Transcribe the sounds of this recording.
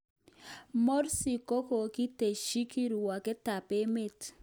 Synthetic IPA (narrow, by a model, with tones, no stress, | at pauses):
mɔ˦ɾsi˨ko˦ko˨ki˦te˨ʃi˦ki˦ɾu˨wa˨kɪ˦ta˨pe˦me˦˨t